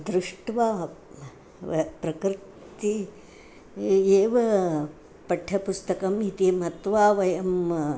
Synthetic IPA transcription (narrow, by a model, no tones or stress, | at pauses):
d̪ɾɪʂʈʋaː | pɾɐkɾt̪i | eːʋɐ | pɐʈʰːɐpust̪ɐkɐmit̪imɐt̪ʋaːʋɐjɐm